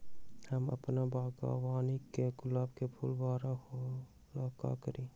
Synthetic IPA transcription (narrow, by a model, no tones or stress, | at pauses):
hɐmɐ̰pnabaːɡa̰ːwaːnikeɡʊlaːbkepʰulbaːɾaho | laːka̰kəɾĩː